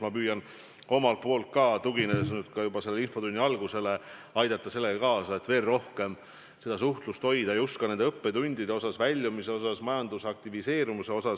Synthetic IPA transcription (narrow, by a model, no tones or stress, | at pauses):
mɑpyːjɑn | o̞mɑlt̪̚po̞ːlt̪̚kɑt̪uɡinesnyd̪̥kɑjubɑse̞lːeinfo̞t̪unʲːiɑlɡ̥use̞le̞ɑjd̪ɑt̪ːˑɑse̞lːeɡɑkɑːsɑet̪ve̞ːrro̞hke̞m | se̞d̪ɑsuht̪lust̪ho̞jd̪̥ɑejuskɑne̞nd̪e̞ɤpːe̞t̪unʲd̪̥id̪e̞o̞sɑsvælʲːjumise̞o̞s̬ɑsmɑjɑnd̪̥usɑkt̪ivise̞ːɾimuse̞o̞sɑs